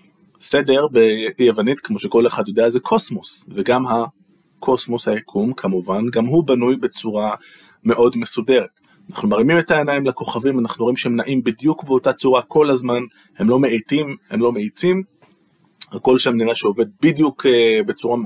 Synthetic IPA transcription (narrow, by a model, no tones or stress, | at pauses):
se̞de̞ʁbejevanitkmo̞ʃeko̞leχadjo̞deazekʰo̞smo̞sveɡamɦa | kʰo̞smo̞shajakʰumkʰamuvanɡamɦubanujbe̞t͡suʁa | me̞ʔo̞dme̞sude̞ʁet | anaχnumaʁimime̞tae̞najimlako̞χavimanaχnuoimʃehemnaʔimbidjukbeo̞tat͡suʁakʰo̞lazman | he̞mlo̞meejtimhe̞mlo̞meit͡sim | hako̞lʃeamniʁaʃeove̞d̚bidjukebe̞t͡suʁa